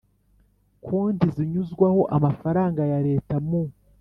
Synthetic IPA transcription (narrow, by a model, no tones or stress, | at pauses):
kʰuːndiziɲuzɡwaho̞ʔamafaɾaːŋɡajaɾe̞ːtamu